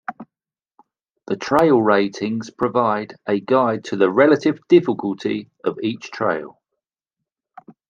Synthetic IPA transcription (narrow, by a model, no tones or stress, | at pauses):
ðətʰɹ̥eɪlˠɹeɪtʰɪ̃ŋz̥pʰɹ̥əvaɪdʔəɡaɪd̚tʰəðəɹɛlətɪvdɪfɪkʰəlˠtʰi | əviˑt͡ʃtʰɹ̥ḛɪlˠ